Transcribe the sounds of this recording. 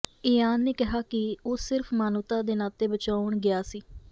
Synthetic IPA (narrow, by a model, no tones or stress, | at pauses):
ɪjaːnːeːkɪɦaːkɪoːsɪɾpʰmaːnʊt̪aːd̪eːnaːt̪eːbət͡ʃaːʊɳɡɪaːsiː